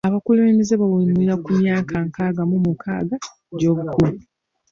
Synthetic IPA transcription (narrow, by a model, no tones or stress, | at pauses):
aβakulemizeβaβulimujakumjaːkʰaŋkaːɡamumukʰa̰ːɡa | ɟo̞ːβukulu